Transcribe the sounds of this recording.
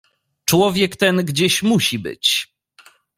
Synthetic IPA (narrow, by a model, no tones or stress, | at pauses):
t͡ʂwɔvʲjɛkt̪ɛnɡd͡ʑeɕmuɕibɘ̰t͡ɕ